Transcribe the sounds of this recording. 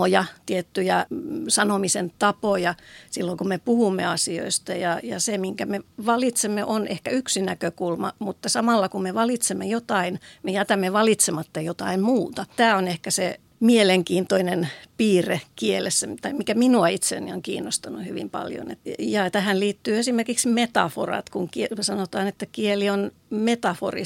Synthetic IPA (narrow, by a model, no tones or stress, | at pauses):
ojɑt̪iet̪ːyjæsɑnomisent̪ɑpojɑsilːoŋkummepuhumːḛɑsio̰ist̪ɑjɑjɑ̰semiŋkæmeʋɑlit̪semːeʔonehkæyksinækøkulmɑmut̪ːɑsɑmɑlːɑkummeʋɑlit̪semːejot̪ɑinmejæt̪æmːeʋɑlit̪semɑt̪ːɑjot̪ɑimmuːt̪ɑt̪æːonehkæse | mieleŋkiːnt̪oinenpiːrekielesːæt̪ɑimikæminuɑit̪sḛːnioŋkḭːnːost̪ɑnːuhyʋḭmpɑ̰ljo̰nḛt̪jɑːt̪æhænliːt̪ːyːesimerkiksmet̪ɑ̰fo̰rɑ̰t̪kuŋkisɑnot̪ɑːnet̪ːækielion | met̪ɑfo̰rḭ